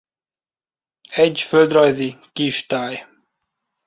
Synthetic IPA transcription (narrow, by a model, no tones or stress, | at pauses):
ɛɟføld̪rɒjzikiʃt̪aːj